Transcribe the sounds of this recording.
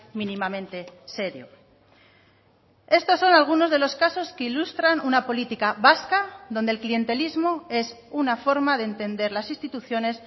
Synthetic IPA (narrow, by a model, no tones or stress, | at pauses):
mĩnĩmamẽ̞nt̪e̞se̞ɾjo | e̞st̪o̞sːo̞nalɣ̞uno̞zðe̞lo̞skaso̞skeilust̪ɾanunapo̞lit̪ikaβaskaðo̞nd̪elklie̞nt̪e̞lizmo̞e̞s | unafo̞ɾmaðent̪e̞nd̪e̞ɾlasist̪it̪uθjo̞ne̞s